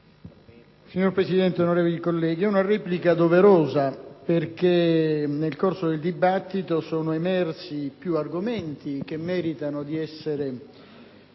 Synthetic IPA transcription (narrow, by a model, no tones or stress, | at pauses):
siɲːorpɾesid̪ɛnt̪eonoɾeːvolikolːɛːɡiɛunarɛːplikad̪oveɾoːzaperk̟enelkorsod̪eld̪ibat̪ːit̪osoːnoemɛrsipjuarɡoment̪ik̟emːɛːɾit̪anod̪iɛsːeɾe